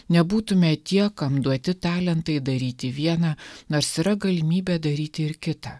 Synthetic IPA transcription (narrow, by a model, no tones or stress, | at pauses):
nʲɛbuːt̪ʊmʲɛt̪ʲiɛkɐmd̪uɔt̪ʲɪt̪ɑːlʲɛnt̪ɐɪd̪ɐɾʲiːt̪ʲɪʋʲiɛnɑːnoːɾsiɾɐɡɐlʲɪmʲiːbʲɛːd̪ɐɾʲiːt̪ʲɪɪɾkʲɪt̪ɐː